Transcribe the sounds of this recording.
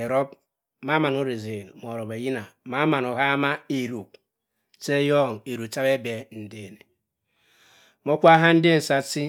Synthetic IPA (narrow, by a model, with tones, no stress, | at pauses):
e˨ɾɔ˦p | ma˦ma˨nu˦ɾi˨ze˨n˨m˨o˨ɾɔ˨be˨ji˦na˨ma˦ma˨no˨ɦa˦ma˦e˨ɾu˨k | t͡ʃe˦jɔ˦˨ŋ˨e˨ɾu˨t͡ʃa˦be˦be˨n̩˨de˦˨ne˨ | mo˦kʷa˦ɦa˦n̩˦dɪ˦n̩˨sa˦si˦